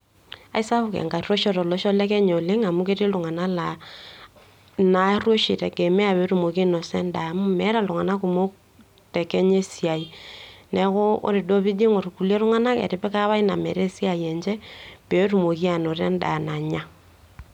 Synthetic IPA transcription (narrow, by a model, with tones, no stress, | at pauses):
a̰˨i˦sa˦βʊ˦˨kɛ̰˨ŋka˨ro˦ʃɔ˦ɾɔ˨lɔ˦ʃɔ˦lɛ˦kɛ˦ɲo˨lɪ˦ŋa˨mu˦ke˦ti˦lʊ˨ŋa˨na˦la˨ | na˨˦rwo˦ʃi˨tɛ˨kɛ˨mɛ˦a˨pe˨˦ɾu˨mo˨ki˦no˨sɛ˦nda˨mʊ˦mɛ˨˦ɾa˨lʊ˨ŋa˨na˦ku˨mo˦ | tɛ˨kɛ˦ɲe˦si˨a˨inɛ˨kʊ˦o̰˦ɾi˨do˦bi˦de˦ŋo˨ɾu˨ku˨le˦ɾʊ˦ŋa˦na˦kɛ̰˨ɾɪ˦pɛ˦ka˦βa˦i˦na˨mɛ̰˨ɾe˦si˦a˨jɛ˨nt͡ʃɛ˦pe˨˦tu˨mo˨ki˦a˨no˨ɾɛ̰˦n˦da̰˨na˨ɲa˦